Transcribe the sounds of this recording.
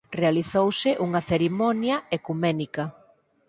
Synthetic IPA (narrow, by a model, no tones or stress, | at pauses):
realiθowsɪʔuŋɐθeɾimɔnjɐekumɛnikɐ